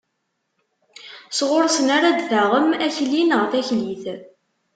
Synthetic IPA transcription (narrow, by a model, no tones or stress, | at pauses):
sʁʊɾsənaɾad̪θəʁəmæçlːinəʁθæçliθ